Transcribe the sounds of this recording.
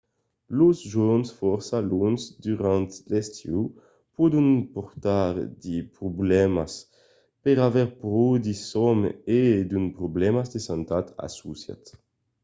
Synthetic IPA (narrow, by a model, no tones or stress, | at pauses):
luzʒɔnsfɔɾsalunsd̪yʁant̪lɛst̪ju | pɔd̪unpɔɾt̪aɾd̪ipɾublɛmas | peɾavɛɾpɾod̪isɔmed̪ynpɾublɛmazd̪esant̪at̪a̰susja̰t̪